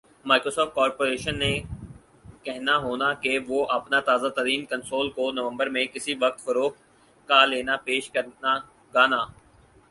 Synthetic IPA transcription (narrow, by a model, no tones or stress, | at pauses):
maːɪkɾoːsɔːft̪̚kɔːɾpoːɾeːʃənːe | kɛɦnaɦoːnakeʋoʔɐpnat̪aːzat̪əɾiːnkɐ̃nsoːlkonɐʋə̃mbəɾmẽkɪsiʋɐk̚t̪fɐɾoːx | kaleːnapeːʃkɐɾna | ɡaːnaː